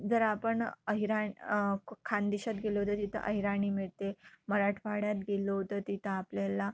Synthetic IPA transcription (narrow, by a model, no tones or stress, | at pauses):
d͡zəɾapəɳəɦiɾa | kʰand̪iɕat̪̚ɡeləɦt̪ət̪it̪ʰə̰ʔə̰ɦiɾaɳ̃iːmiɭt̪eməɾaʈʰʋaɽjat̪̚ɡelət̪ət̪it̪ʰəːpljala